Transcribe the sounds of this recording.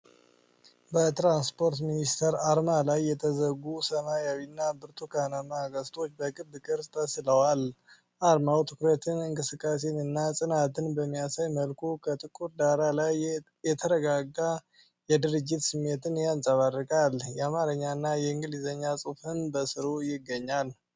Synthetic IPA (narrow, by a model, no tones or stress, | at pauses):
bət̪ɾanspʰo̞ɾt̪minist̪ʰəɾaɾmalajːɛt̪ʰəzəɡusəmajawinːabɨɾt̪ʰukʰanamaɡəst̪ʼʰo̞t͡ʃːbəkʼɨbːɨkʼɨɾt̪ʰəsɨləwal | ʔaɾmawt̪ʰɨkɾət̪ʰɨnɨŋkʼɨsɨkʼːas̬enɨnːasʼɨnat̪ʰɨnbəmːijasajməlkʰukʰət̪ʼɨkʼuɾd̪aɾalaj | jɛt̪ʰəɾəɡaɡːa | jɛd̪ɨɾɨd͡ʒːɪt̪sɨmːe̞t̪ɨnjansʼəβarɨkʼaljɛamaɾəɲːaɨnːajɛɨŋɡɨlizəɲːat͡sʼɨfɨnbəsɨɾujɪɡːəɲːal